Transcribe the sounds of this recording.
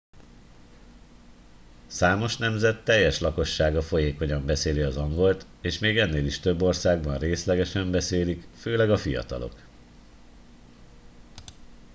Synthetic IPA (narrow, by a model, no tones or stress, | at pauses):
saːmo̞ʃnɛmzɛt̪ːɛjːɛʃlɒko̞ʃːaːɡɒfo̞jeːko̞ɲɒmbɛseːliɒzɒŋɡo̞lt̪ | eːʃmeːɡɛnːeːliʃt̪ø̞bːo̞rsaːɡbɒnreːslɛɡɛʃɛmbɛseːlikføːlɛɡɒfijɒ̰t̪ɒ̰lo̞̰k